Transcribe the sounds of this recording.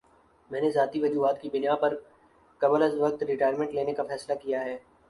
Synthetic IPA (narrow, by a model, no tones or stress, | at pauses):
mɛ̃ːnezaːt̪iʋɐd͡ʒuːɦaːt̪kibɪnjaːpɐɾ | kɐbələzʋɐk̚t̪ɾɪʈaːjəɾmẽɳʈleːnekafɛːslakijaɦɛː